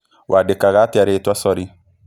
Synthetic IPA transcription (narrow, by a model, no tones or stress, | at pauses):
wʔadekaɡatɛɾetwasɔɾi